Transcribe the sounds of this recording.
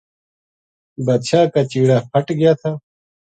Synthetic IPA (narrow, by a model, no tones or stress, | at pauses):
bɐd̪ɕaːkat͡ɕiːɽaːpʰɐʈɡjaːt̪ʰaː